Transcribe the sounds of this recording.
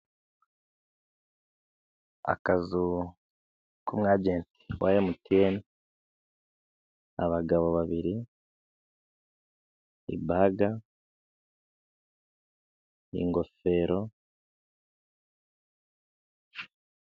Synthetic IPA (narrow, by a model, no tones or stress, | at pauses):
a̰kazu | kumŋaːɟeːnti̥wʔajemutieni | a̰βaɡaβo̞βaβiɾi | ḭbaɡa | ḭŋɡo̞fe̞ːɾo̞